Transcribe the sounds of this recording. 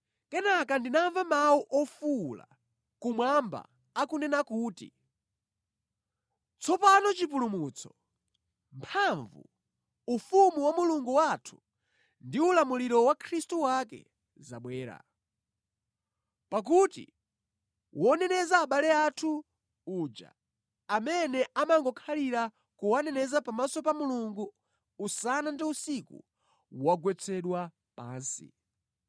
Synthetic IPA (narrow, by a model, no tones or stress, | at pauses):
kɛnakandinaɱvamawuʔɔfula̰ | kumwamba̰ | akunɛnakuːtḭ | t͡sɔpanɔt͡ʃipulumuːt͡sʰɔ̥ | mpʰaɱvṵ | ufumuwamuluŋɡuwatʰu̥ | ndiulamuliɾɔwakʰɾistuwakɛ̰ | za̰ɓwɛːɾa̰ | pak̬utḭ | wʔɔnɛnɛzaːɓalɛatʰu | uːd͡ʒa̰ | amɛnɛʔamaŋɡɔkʰaliɾa | kuwanɛnɛzapamasɔpamuluŋɡuː | sanandiusikṵ | waɡwɛt͡sʰɛɗwa | pa̰ːnsḭ